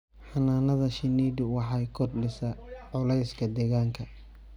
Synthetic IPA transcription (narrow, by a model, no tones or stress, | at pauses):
ħɑnaːnɐðɐʃɪniːd̪ʊwɑħɑjkʰɔrɖɪsɐʕʊlɛjskʰɐd̪ɛːɣaːŋkʰɐ